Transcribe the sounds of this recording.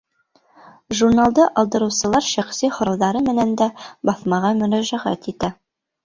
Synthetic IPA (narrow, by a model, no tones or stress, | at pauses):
ʒurnalˠd̪ɤʔɑlˠd̪ɤ̆ɾɤ̆wsɤ̆lˠɑɾʃæχsihŏɾɑwðɑɾɤmɘ̆nænd̪æbɑθmɑʁɑmɵ̆næzæʁæ̰t̪it̪æ